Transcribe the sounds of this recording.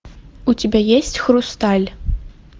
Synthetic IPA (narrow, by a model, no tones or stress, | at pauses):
utʲʰibʲajesʲtʲxrust̪ʰalʲ